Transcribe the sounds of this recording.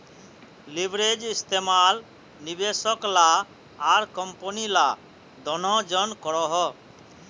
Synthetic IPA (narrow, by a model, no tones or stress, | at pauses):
libʱɾed͡ʒist̪ʰemal | nibesɔklaː | ɾkɔmpɔnila | d̪ʱɔnɔd͡ʒɔnkɔɽɔɦɔ